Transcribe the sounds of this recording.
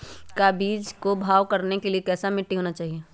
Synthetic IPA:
kabiːd͡ʒkobʱaːʋkɐɾnekeliekɛːsamɪʈːiɦoːnat͡ʃaːɦieː

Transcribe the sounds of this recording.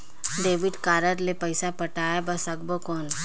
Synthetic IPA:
ɖeːʋɪɖkaːɾəɾlepəɪsapəʈaːjabɐsəɡbokɔːn

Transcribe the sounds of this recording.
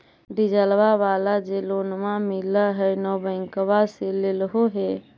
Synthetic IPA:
ɖid͡ʒəlʋaʋalad͡ʒelonmamiləɦɛnɔbəŋkʋaselelɦoɦe

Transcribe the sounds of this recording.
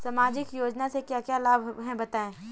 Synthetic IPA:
samaːd͡ʒɪkjoːd͡ʒnasekjakjaːlaːbʱɦɛ̃bɐt̪aːẽː

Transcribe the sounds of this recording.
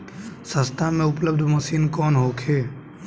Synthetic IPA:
sə̃st̪ʰamẽʊpləbd̪ʱmɐsiːnkɔːnɦoːkʰeː

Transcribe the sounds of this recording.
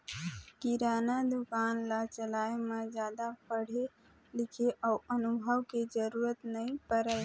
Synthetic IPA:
kiɾanad̪ukanlat͡ʃəlaemed͡ʒjad̪apəɽ̤e | lɪkʰeʔaənubʱəʋked͡ʒəɾuɾət̪nəĩpəɾə

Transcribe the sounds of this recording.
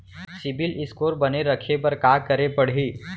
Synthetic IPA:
sɪbɪlɪskoːɾbɐneɾɐkʰepɐɾkaːkɐɾepɐɽ̤ɦiː

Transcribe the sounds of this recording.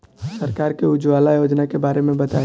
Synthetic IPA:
səɾkaːɾkeʊd͡ʒwaːlajoːd͡ʒnakebaːɾemẽbɐt̪a

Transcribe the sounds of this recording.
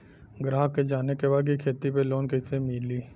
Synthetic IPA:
ɡɾaːɦked͡ʒaːnekebaːd̪̚kikʰeːt̪ipeloːnkɛɪsemɪliː

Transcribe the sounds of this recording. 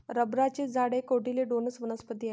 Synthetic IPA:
ɾəbɾat͡ɕed͡zaɽekoɽileɖonəsʋənəspət̪ia

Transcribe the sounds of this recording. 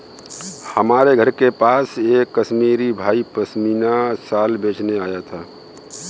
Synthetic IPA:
həmaːɾeɡʱəɾkepaːseːkːəʃmiːɾibʱaːipəsmiːnasaːlbeːt͡ʃneaːjat̪ʰaː

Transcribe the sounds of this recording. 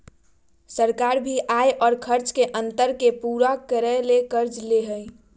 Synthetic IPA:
səɾkaːɾbʱiʔaːeʔɔːɾkʰəɾt͡ʃkeʔə̃nt̪əɾkepuːɾakəɾəlekəɾd͡ʒleɦəj

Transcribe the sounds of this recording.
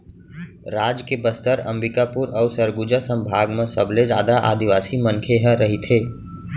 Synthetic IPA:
ɾaːd͡ʒkebəst̪əɾɐ̃mbɪkapuɾɔːsəɾɡud͡ʒəsə̃mbʱaːɡmẽsəbled͡ʒaːd̪aʔa̰ːd̪iʋaːsimə̃nkʰeɦə̃ɾəɦit̪ʰeː

